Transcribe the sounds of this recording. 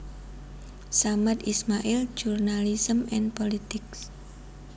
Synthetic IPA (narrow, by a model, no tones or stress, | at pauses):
samat̪ismaʔild͡ʒurnalisəmɛnpolit̪ɪks